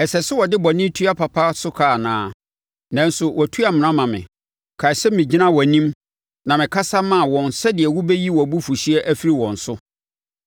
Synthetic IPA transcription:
ɛ˨sɛ˨sɪ˦wɔ˨dɪ˦bɔ˨nɪ̃˦tʰu˦a˦pʰa˨pʰa˦sʊ˦kʰaː˦˨nãː˦ | nã˦n˦sʊ˨wʔɔ˨tʰu˦a˨mɪ̃˨nã˦mã˨mɪ̰̃˨ | kʰa˨sɛ˦mɪ̃˨d͡ʑi˦nã˦wɔ˨nĩ˦m | nã˨mɪ̃˨kʰa˦sa˦mã˦˨wɔ̃˨nsɛ˦dɪ˨ɛ˨wʊ˦bɛ˦ji˦wɔ˨bu˦fu˨ɕi˦ɛ˦ʔæ˦fi˦ɾi˦wɔ̃˨n̩˨sʊ˦

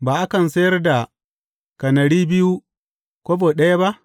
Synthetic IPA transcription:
baː˨ʔa˦kɐ˨nsɐ˦jɐ˦rda˨ | kɐ˨nɐ˨ɽiː˦bɪ˦ju˦ | kʷoː˦boː˨ɗɐ˦ja˦ba˦ʔ

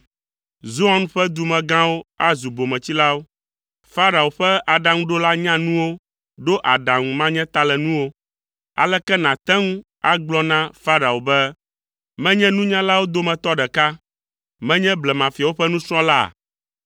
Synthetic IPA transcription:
zu˦ã˦n˦ɸɛ˦d̪u˨mɛ̃˨ɡã˦wo˦a˦zu˨bo˨mɛ̃˨t͡ɕi˦la˦wo˦ | fa˦ɾa˨o˨ɸɛ˦a˨ɖa˨ŋũ˦ɖo˦la˦ɲã˦nũ˦wo˦ | ɖo˦ʔa˨ɖã˨ŋũ˨mã˦ɲɛ̃˦t̪a˦lɛ˨nũ˦wo˦ | a̰˨lɛ˦kɛ˦nã˨t̪ɛ˦ŋũ˦ | a˦ɡ͡blɔ˦nã˦fa˦ɾa˨o˨bɛ˦ | mɛ̃˦ɲɛ̃˦nũ˦ɲã˦la˦wo˦d̪o˦mɛ̃˨t̪ɔ˦ɖɛ˨ka˦ | mɛ̃˦ɲɛ̃˦blɛ˨mã˨fi˨a˨wo˦ɸɛ˦nũ˦sɾ̃ɔ̃˦la̰˦˨

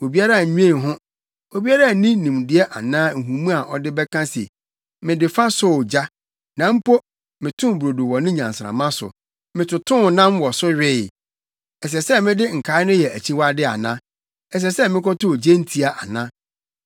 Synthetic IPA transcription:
wo˨bi˦a˦ɾa˦˨ɲᶣũ˦ẽ˦˨ɦʊ̃˦ | wo˨bi˦a˦ɾa˦˨nĩ˦nĩ˨mdɪ˨˦ɛ˦ʔa˨nãː˦˨ɦũ˨mũ˦a˨ʔɔ˨dɪ˦bɛ˦kʰã˦sḛ˨ | mɪ̃˨dɪ˨fa˦sʊ˦˨d͡ʑa˦ | nã˨m̩˦pʰo˦ | mɪ̃˨tʰʊ̃˦˨bɾo˨du˨wɔ˨nʊ̃˦ɲã˨n˨sɾã̰˨mã˦sʊ̰˨ | mɪ̃˨tʰʊ˨tʰʊ̃˦˨nã˦mwɔ˨sʊ˦ɥᶣɪ˦˨ | ɛ˨s̬ɛ˨sɛ˦mɪ̃˦dɪ˦ŋ̩˨kʰa˨˦ɪ˦nʊ̃˦jɛ˨æ˨t͡ɕʰi˦wa˦dɪ˦a̰˨nã˦ | ɛ˨s̬ɛ˨sɛ˦mɪ̃˦kɔ˦tʊ˦˨d͡ʑe˦n̩˦tʰi˦a˨ʔa˨nã˦

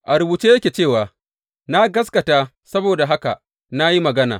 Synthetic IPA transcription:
ʔa˨ɾʊ˨buː˨t͡ʃeː˦jɐ˦kʲeː˨t͡ʃeː˦˨waː˨ | na˦ɡɐ˦skɐ˨taː˦ | sɐ˦boː˨da˨ɦa˦ka̰˨ | na˦ji˦mɐ˨ɡɐ˦na̰ː˨

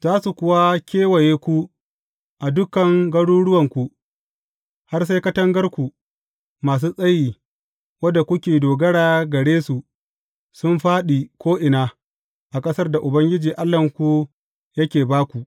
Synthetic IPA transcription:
zaː˦su˨kʷʊ˦wa˦kʲeː˦wɐ˨jeː˦kʷu˦ | ʔa˨dʊ˦kɐ˨ŋɡɐ˦ɽuː˦ɽʊ˦wɐ˨ŋkʷu˦˨ | ha˦rs̬a˦jkɐ˦tɐ˦ŋɡɐ˦rkʷu˨ | maː˨s̬uː˦sʼɐ˦jiː˨ | wɐ˦dːa˨kʷʊ˦kʲeː˨doː˨ɡɐ˦ɽaː˨ɡɐ˨ɽeː˦su˨ | sʊ˦mɸaː˦ɗiː˨kʷoː˦ʔɪ˨naː˦ | ʔa˨kʼɐ˦sɐ˦rda˨ʔʊ˨bɐ˦ŋɡʲɪ˦d͡ʒiː˨ʔa˦lːɐ˨ŋkʷu˦ | jɐ˦kʲeː˨baː˦kʷu˨ʔ

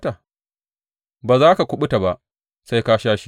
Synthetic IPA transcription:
ta˨ | baː˨zaː˦ka˨kʷʊ˦ɓʊ˦ta˨ba˨ʔ | sa˦jka˦ʃaː˦ʃi˨

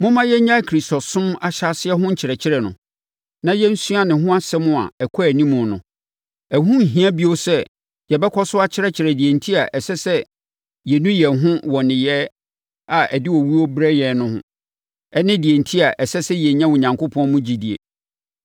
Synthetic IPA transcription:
mʊ̃˦mã˦jɛ˦ɲã˦kʰɾi˨stɔ˨sʊ̃˦ma˨ɕa˦sɪ˦ɛ˦ɦʊ̃˦ɲ̩˦t͡ɕʰɪ˨ɾɛ˨t͡ɕʰɪ˦ɾɛ˨nʊ̰̃˨ | nã˨jɛ˦n̩˦su˦a˨nɪ̃˨ɦʊ̃˦a˦sɛ˦mʊ̃˦˨a̰˨ɛ˨kʰɔ˦æ˨nĩ˦mʊ̃˨nʊ̰̃˨ | ɛ˨ɦũ˦˨ɦĩ˦a˦bi˦o˦sɛ˦ | jɛ˨bɛ˦kʰɔ˦sʊ˦a˦t͡ɕʰɪ˦ɾɛ˦t͡ɕʰɪ˨ɾɛ˨di˨e˨ntʰi˦a˨ʔɛ˨sɛ˦sɛ˦ | jɛ˨nũ˦jɛ˨ɦʊ̃˦wɔ˨nɪ̃˨jɛ˦ | a˨ɛ˨dɪ˦wɔ˨wi˦o˦bɾɛ˦jɛ˨nʊ̃˦hʊ̰̃˦ | ɛ˦nɪ̃˦di˨e˨ntʰi˦a˨ʔɛ˨sɛ˦sɛ˦jɛ˨ɲã˦wʊ˨ɲã˨ŋko˦pʰɔ̃˦mʊ̃˦d͡ʑi˨di˨ḛ˨

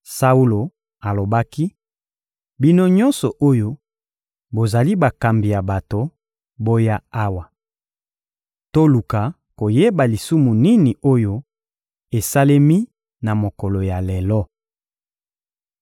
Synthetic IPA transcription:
sa˦u˦lo˨ | a˨lo˨ba˦ki˦ | bi˦no˦ɲɔ˦nsɔ˨ʔo˦jo˦ | bo˨za˨li˦ba˨ka˨mbi˨ja˨ba˨to˨ | bo˦ja˦a˦wa˨ | to˦lu˨ka˨ | ko˨je˦ba˨li˨su˦mu˨ni˦ni˨o˦jo˦ | e˨sa˦le˦mi˦ | na˨mo˨kɔ˨lɔ˨ja˨le˨lɔ˦

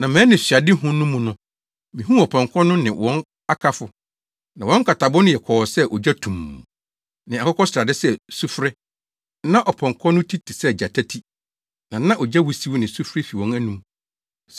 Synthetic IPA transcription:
nã˨mɛ̃ː˨˦nɪ̃˨ɕɥa˨dɪ˦ɦʊ̃˦nʊ̃˦mũ˨nʊ̃˦ | mĩ˨ɦũ˦ɔ˨pʰɔ̃˨ŋkʰɔ̃˦nʊ̃˦nɪ̃˨wʔɔ̃˦n | a˦kʰa˦fʊ˨ | nã˨wɔ̃˦ŋ˦kʰa˨tʰa˨bʊ˦nʊ̃˦jɛ˨kʰɔ˨ɔ˨sɛ˦ʔɔ˨d͡ʑæ˦tʰũ˨m˨ | nɪ̃˨a˨kʰɔ˦kʰɔ˦sɾa˨dɪ˦sɛ˦su˦fɾɪ˦ | nã˦ʔɔ˨pʰɔ̃˨ŋkʰɔ̃˦nʊ̃˦tʰi˦tʰi˨sɛ˦˨d͡ʑa˨tʰæ˦tʰi˦ | nã˨nã˦ʔɔ˨d͡ʑa˦wu˨si˦wnɪ̃˨su˦fɾɪ˦fi˨wɔ̃˦næ˦nũ˦m | s

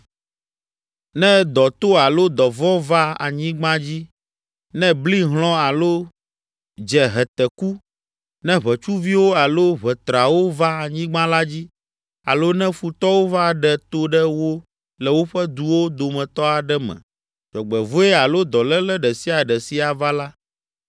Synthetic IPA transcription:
nɛ̃˦d̪ɔ˨t̪o˦a˨lo˦d̪ɔ˨vɔ̃˦va˦a̰˨ɲĩ˦ɡ͡bã˦d͡ʑi˦ | nɛ̃˦bli˦ɦl̃ɔ̃˦a˨lo˦ | d͡ʒɛ˨ɦɛ˨t̪ɛ˨ku˦ | nɛ̃˦βɛ˨t͡ʃu˦vi˦wo˦a˨lo˦βɛ˨t̪ɾa˨wo˦va˦a˨ɲĩ˦ɡ͡bã˦la˦d͡ʑi˦ | a̰˨lo˦nɛ̃˦fu˨t̪ɔ˦wo˦va˦ɖɛ˦t̪o˦ɖɛ˦wo˦ | lɛ˨wo˦ɸɛ˦d̪u˨wo˦d̪o˨mɛ̃˨t̪ɔ˦a˨ɖɛ˦mɛ̰̃˨ | d͡ʒɔ˨ɡ͡bɛ˨vo˦ɛ˦a˨lo˦d̪ɔ˨lɛ˦lɛ˦ɖɛ˨si˦a˨ɖɛ˨si˦a˨va˦la˦

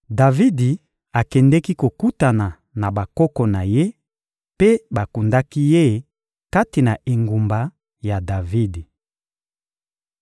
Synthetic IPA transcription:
da˨vi˦di˨ | a˨kɛ˨ndɛ˦ki˦ko˨ku˦ta˨na˨ | na˨ba˨kɔ˦kɔ˨na˨je˦ | pe˦ba˨ku˨nda˦ki˦je˦˨ | ka˦ti˨na˨ʔe˨ŋɡu˨mba˨ | ja˨da˨vi˦di˨

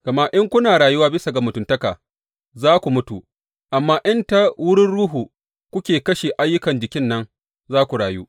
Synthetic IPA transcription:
ɡ̥ɐ˨maː˦ʔɪ˦ŋkʷʊ˦naː˨ɽaː˨ju˦waː˦bɪ˦sa˨ɡa˨mʊ˨tʊ˨ntɐ˦kaː˨ | zaː˦kʷu˨mʊ˦tu˨ | ʔa˨mːaː˦ʔɪ˦nta˦wʊ˦ɽɪ˦nɽuː˦ɦuː˨ | kʷʊ˦kʲeː˨kɐ˦ʃeː˨ʔa˦jːʊ˦kɐ˨nd͡ʒɪ˨kʲɪ˦nːɐ˦ŋ | zaː˦kʷu˨ɽaː˨juː˦

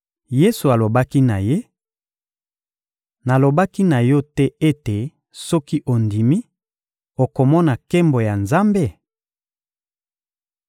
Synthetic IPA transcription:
je˦su˨a˨lo˨ba˦ki˦na˨je˦ | na˨lo˨ba˦ki˦na˨jɔ˦tɛ˦e˦te˨ | sɔ˦ki˦ʔo˨ndi˨mi˦ | o˨ko˨mɔ˦na˨ke˦mbo˨ja˨nza˦mbe˦˨

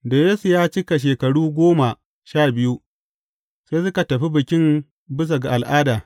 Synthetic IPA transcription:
da˨jeː˦su˨jaː˦t͡ʃɪ˦ka˨ʃ̬eː˨kɐ˨ɽuː˦ɡʷoː˦ma˨ | ʃaː˦˨bɪ˦ju˦ | se˦s̬ʊ˦ka˨tɐ˨ɸi˦bɪ˨kʲɪ˦m | bɪ˦s̬a˨ɡa˨ʔa˨lʔaː˦daː˨

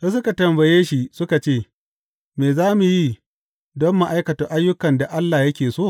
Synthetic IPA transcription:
sɐ˦s̬ʊ˦ka˨tɐ˨mbɐ˨jeː˦ʃi˦sʊ˦ka˨t͡ʃeː˦˨ | meː˨zaː˦mu˨ji˦ | dɔ˦mːa˦˨ʔa˦jkɐ˨tʊ˦ʔa˦jːʊ˦kɐ˨nda˨ʔa˦lːaː˨jɐ˦kʲeː˨soː˦˨

